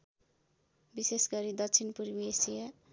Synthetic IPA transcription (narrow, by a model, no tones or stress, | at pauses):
bisesɡʌɾid̪ʌkt͡sʰinpurbsija